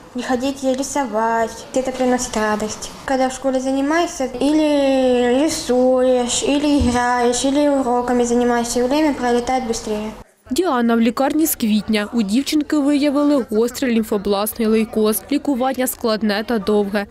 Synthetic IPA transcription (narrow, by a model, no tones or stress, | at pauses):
nʲɪxɐdʲitʲɪjɾʲɪsɐvatʲɣdʲeɛt̪əpɾʲɪnosʲɪ̥t̪rad̪əsʲtʲ | kɐɡd̪afʂkolʲɪzənʲɪmajɪsʲɐilʲɪɾʲɪsujɪʂilʲɪɪɣrajɪʂilʲɪʊɾokɐmʲɪzənʲɪmajɪsʲəvɾʲemʲɐpɾɐlʲɪt̪ajɪt̪bɨst̪ɾʲejɛ | dʲiɑnɐwlʲikɑrnʲiskʋʲitʲnʲɐudʲiwt͡ʃɪnkɪʋɪjɐʋɨlˠɪɣɔst̪ɾɪlʲinfɐblˠɑsnɨjlˠɨjkɔslʲikʊʋɑnʲːɐsklˠɐd̪nɛt̪ɐd̪ɔwɣɛ